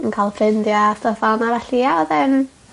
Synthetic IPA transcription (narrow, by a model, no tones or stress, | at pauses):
ənkʰalˠfrɪndjastəfanaɾaɬiːaɔðɛn